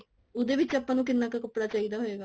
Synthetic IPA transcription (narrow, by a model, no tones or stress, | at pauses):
ʊd̪eːʋɪt͡ʃəpːãːnũːkɪnːãːkakʊpːɽaːt͡ʃaːiːd̪aːɦoeːɡaː